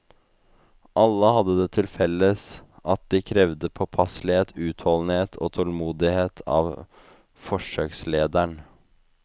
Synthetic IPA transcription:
ʔɑlːəhɑd̪ːəd̪ɛːt̪ʰɪlfɛlːəsʔɑt̪̚d̪ɪkʰɾɛʋd̪əpʰɔpʰɑslɪheːt̪ʰʉːt̪ʰhɔlnheːt̪ʰo̰ːt̪ʰɔlmuːd̪ɪheːt̪ʰɑ̰ːʋ | fɔʂøːksleːd̪æɳ

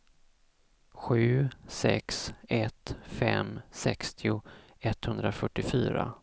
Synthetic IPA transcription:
ɧʉ̟ːsɛ̰ksɛt̪fɛmsɛkst̪ʰɪʊ | ɛt̪hɵnd̪ɾafœʈːɪfyːɾa̰

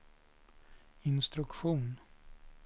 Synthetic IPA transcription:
ɪnst̪ɾɵkɧuːn

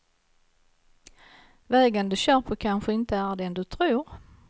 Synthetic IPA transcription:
vɛːɡənd̪ɵɕœːɾpʰəkʰanɧəɪnt̪əæɖɛnd̪ɵt̪ʰɾuːɾ

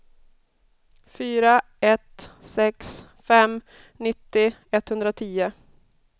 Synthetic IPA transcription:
fyːɾa | ɛt̪sɛks | fɛm | nɪt̪ːɪɛt̪hɵnd̪ɾat̪ʰiːʊ

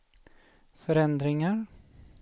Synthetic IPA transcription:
fœɾɛnd̪ɾɪŋaɾ

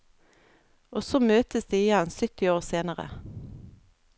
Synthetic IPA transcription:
ʔoːsoːmøːt̪əsd̪iːɪjɛnsʏt̪ɪoːʁseːnəʁə̰

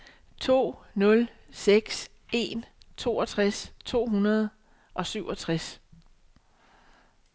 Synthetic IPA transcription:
t͡sʰo̝̰ːnɔ̽lseɡ̥s | e̝nt͡sʰo̝̰ːɒt͡sʰʁast͡sʰo̝̰ːɦunɐð̞ˠ | ʔɒ̽syʊ̰ɒ̽t͡sʰʁas

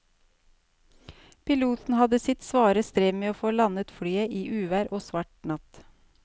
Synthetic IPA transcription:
pɪluːt̪n̩hɑd̪əsɪt̪sʋɑːɾəst̪ɾeːmeːoːfoːlɑnət̪fɽyːəʔiːʔʉːʋæːɾʔoːsʋɑʈnɑt̪

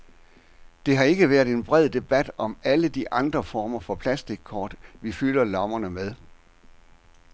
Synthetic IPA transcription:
d̥e̝ɦɑ̈e̝ɡ̥əʋæːɐ̰dˠe̝nb̥ʁɛð̞̰ˠd̥e̝b̥æd̥ɒ̽mæləd̥iʔɑ̈nd̥ʁɐfɒːmɐfɒ̽pʰlæsd̥iɡ̥̚kʰɒ̰ːd̥ʋifylɐlɒ̽mɐnəmeð̞ˠ

